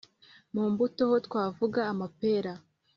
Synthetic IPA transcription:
muːmbuto̞hotkwaːvuɡaːmape̞ːɾa

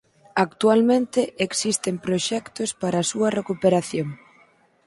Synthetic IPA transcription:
akt̪ualmẽnt̪ɪʔeksist̪empɾoʃɛkt̪ospaɾɐasuɐrekupeɾaθjoŋ

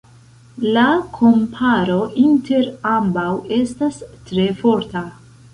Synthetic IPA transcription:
lakʰo̞mpʰaɾo̞inte̞ɾambawe̞stastɾe̞fo̞ɾta

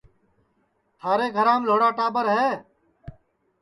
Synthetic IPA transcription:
t̪ʰaːɾeːɡʱəɾãːmloːɽaːʈaːbəɾɦɛː

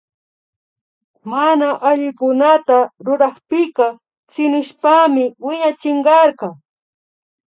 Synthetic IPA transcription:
manaʔaʎɪkʊnat̪aɾʊɾɑχpɪkɑ | t͡sɪnɪʃpamɪwɪɲat͡ʃɪɴɢɑɾɢɑ

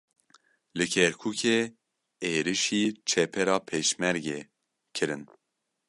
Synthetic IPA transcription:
lɨkʰɛɾkʰuːkʰeː | eːɾɨʃiːt͡ʃʰɛpʰɛɾɑːpʰeːʃmɛɾɡeː | kʰɨɾɨn

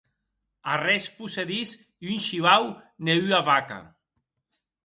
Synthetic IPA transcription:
arɛspuseðis | iynʲʃiβawneyavaka̰

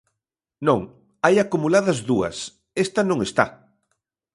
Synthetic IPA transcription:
nõŋ | ajakumulaðɐzðuɐ̰s | est̪ɐnõŋest̪a̰

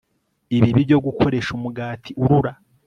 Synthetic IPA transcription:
iβiβiɟo̞ɡukʰo̞ɾe̞ʃumuɡaːtʰiuɾuɾa

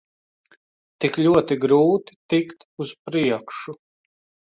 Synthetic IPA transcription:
t̪iklʲuɔt̪iɡɾuːt̪i̥t̪ikt̪uz̥pɾiɛkʃu

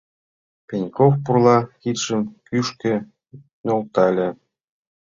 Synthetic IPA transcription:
pʲenʲkofpurlˠɑkit̪ʃə̆mkyʃkɘ̆ | nʲolˠt̪ɑlʲĕ

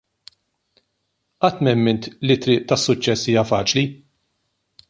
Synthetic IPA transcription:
ʔɐt̪ːmɛmːɪnt̪lit̪ːɾɪːʔt̪ɐsːʊt͡ʃːɛsːiːjɐfɐːt͡ʃli

